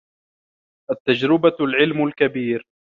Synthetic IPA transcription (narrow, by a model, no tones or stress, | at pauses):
ʔat̪ːad͡ʒɾɪbalʕɪlmʊlkabiːɾ